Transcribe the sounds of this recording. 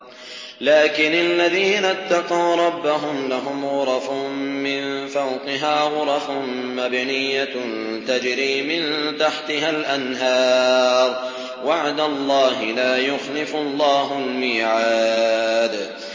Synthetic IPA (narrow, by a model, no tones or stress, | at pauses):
laːkɪnalːaðiːnat̪ːɑqɑwɾˤɑbːaɦʊmlaɦʊmɣʊɾˤɑfmɪnfawqɪɦaːɣʊɾˤɑfʊ | mabnɪjːan | t̪ad͡ʒɾiːmɪnt̪aħt̪ɪɦalʔanɦɑːɾˤ | waʕd̪alˤːɑːɦɪlaːjʊxlɪfʊlˤːɑːɦʊlmiːʕaːd̪